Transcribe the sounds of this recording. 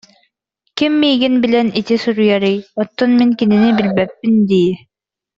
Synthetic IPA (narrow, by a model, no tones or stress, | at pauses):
kimːijɡinbilʲɛnit̪isuɾujæɾijɔt̪ːɔnmiŋkinĭnibilbæpːind̪ij